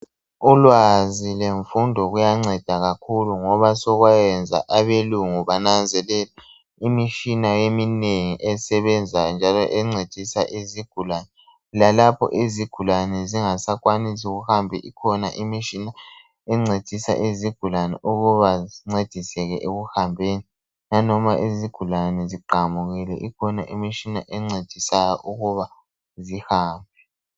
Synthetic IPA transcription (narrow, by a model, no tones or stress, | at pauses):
ulwazileɱfundʱɔɣujaŋ͡ǀɛd̥ʱaɣakʰuluŋɔβasɔɣwajɛnd͡zʱa̰ʔaβeluŋuβanand͡zʱɛlɛla | imiʃinajemineŋiʔɛsɛβɛnd͡zʱand͡ʒʱalɔ̰ʔɛŋ͡ǀed̥ʱisaʔiziɡ̥ʱulanɛ | lalapʰɔ̰ʔiziɡ̥ʱulanɛziŋasakwanisuɣuhambʱɛʔikʰɔna̰ʔimiʃina | ɛŋ͡ǀed̥ʱisa̰ʔeziɡ̥ʱulanɛ̰ʔuɣuβaziŋ͡ǀed̥ʱisɛɣɛʔeɣuhambʱeːni | nanɔmaʔiziɡ̥ʱulanɛziǃamuɣilɛ̰ʔikʰɔnaʔimiʃina̰ʔɛŋ͡ǀed̥ʱisajɔʔuɣuβa | zihaːmbʱɛ